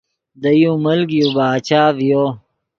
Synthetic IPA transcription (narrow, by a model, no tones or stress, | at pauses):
d̪ɐjũːmɐlɡijubaːt͡ɕaːvijoː